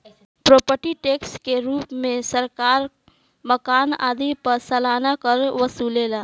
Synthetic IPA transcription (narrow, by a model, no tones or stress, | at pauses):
pɾoːpəɾʈiʈeːkskeɾuːpmẽsəɾkaːɾ | məkaːna̰ːd̪ipəɾsɐlaːnakəɾʋəsuːleːlaː